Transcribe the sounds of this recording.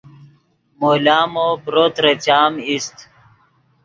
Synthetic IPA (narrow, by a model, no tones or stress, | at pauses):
moːlaːmoːbɾoːt̪ɾet͡ɕaːmist̪